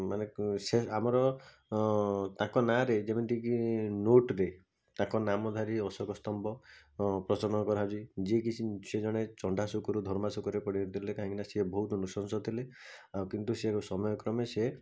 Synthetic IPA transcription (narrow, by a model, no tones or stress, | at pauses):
maneseamɔɾɔ | t̪ãkɔnaɾed͡ʒemint̪ikinoʈɾe | t̪ãkɔnamɔd̪ʱaɾiɔsɔkɔst̪ɔmbɔpɾɔt͡ʃɔɾɔnɔkɔɾɦad͡ʒid͡ʒekit͡ʃʰised͡ʒɔɽ̃et͡ʃɔɳɖʱasukɔɾud̪ʱɔɾmasukɔɾepɔɽit̪ʰilekaɦĩŋkinasebɔɦut̪ɔnusɔnsɔt̪ʰile | akint̪useɾusɔmɔjɔkɾɔmese